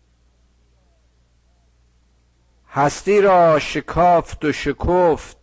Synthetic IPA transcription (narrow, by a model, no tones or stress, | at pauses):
hæst̪iːɾɔːʃekʰɔːft̪oʃekʰoft̪̚